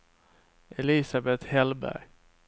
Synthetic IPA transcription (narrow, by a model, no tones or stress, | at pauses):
ʔɛlisabɛt̪hɛlbæ̰ɾ